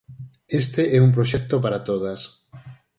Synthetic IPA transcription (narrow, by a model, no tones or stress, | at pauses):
est̪eɛump̬ɾoʃɛkt̪opaɾat̪oð̞as